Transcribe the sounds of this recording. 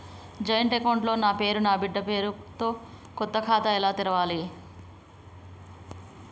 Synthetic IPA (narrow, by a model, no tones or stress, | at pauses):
d͡ʒɐjɐɳʈekɐwɳʈlo̞ːnaːpe̞ːɾunaːbiɖːɐpe̞ːɾut̪o̞ː | kɔt̪ːɐkʰaːt̪ɐɛlaːt̪iɾɐʋaːli